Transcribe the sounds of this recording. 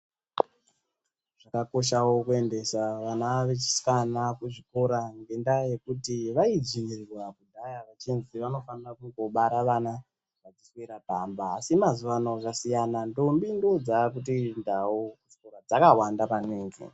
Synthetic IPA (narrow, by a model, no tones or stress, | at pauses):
ʐ̥akako̞ʃawokue̞nde̞saʋanaʋe̞t͡ʃi̥skanakuʐiko̞ɾaŋɡe̞ndaje̞kutiʋaid͡ʒinirrwakudʱajaʋat͡ʃinziʋano̞fanirakuŋɡo̞ɓaɾaʋana | ʋad͡zisweɾabaːmbaːsimazuʋanoakasijanando̞mbindo̞d͡zakutindawokuʐ̥iko̞ɾad͡zakawandapaniːŋɡḛ